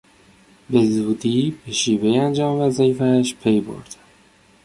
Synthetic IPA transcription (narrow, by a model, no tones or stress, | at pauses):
be̞zuːd̪iːbe̞ʃiːve̞jeænd͡ʒɒːmvæzɒefæʃpʰe̞jbo̞̰ɾd̪̥æ̥